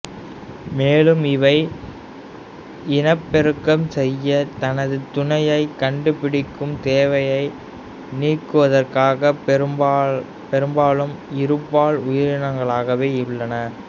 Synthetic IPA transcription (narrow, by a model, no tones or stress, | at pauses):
meːlɯmɪʋɐɪ | ɪnɐpːɛɾɯkːɐmsɛjːɐt̪ɐnɐðɯt̪ʊnɐjɐɪkɐɳɖɯpɪɽɪkːɯmt̪eːʋɐjɐɪ | niːrkːɯʋɐðɐrkaːɣɐ | pɛɾɯmbaːlɯmɪɾɯpːaːɭʊjɪɾɪnɐŋɡɐɭaːɣɐʋeːɪɭːɐnɐ